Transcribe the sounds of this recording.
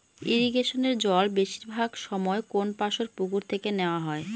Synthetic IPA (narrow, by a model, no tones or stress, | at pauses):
iɾiɡeʃoneɾd͡ʑɔlbeʃiɾbʱaɡʃɔmɔekonpaʃoɾpuɡuɾt̪ʰekeneoaɦɔe